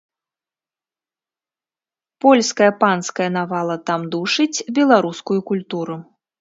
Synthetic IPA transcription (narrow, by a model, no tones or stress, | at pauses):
pɔlʲskɐjɐpanskɐjɐnavalˠɐt̪amd̪uʂɨt͡sʲbʲɛlˠaɾuskujukulʲt̪uɾu